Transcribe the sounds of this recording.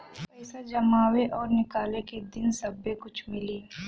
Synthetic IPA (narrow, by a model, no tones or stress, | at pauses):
pɛɪsad͡ʒɐmaːweʔɔːɾnɪkaːleked̪ɪnsɐbːekʊt͡ʃʰmɪliː